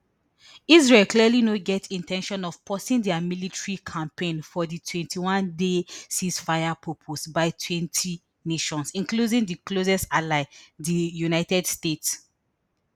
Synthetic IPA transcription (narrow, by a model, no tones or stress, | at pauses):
izɹelklialinoɡɛtĩntʰɛ̃nʃɔ̃nɔv̥pʰɔsĩŋdɛamilitʰɹikʰãmpẽnfɔðitʰwɛ̃ntʰiwãndesĩsfaɪapʰɹopʰosbaɪtʰwɛ̃ntʰi | neʃɔ̃nsĩnkludĩŋdiklozɛsalaɪdijunaɪtɛdstets